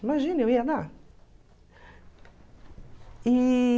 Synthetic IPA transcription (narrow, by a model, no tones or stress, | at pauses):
imaʒĩnɐewiad̪a | i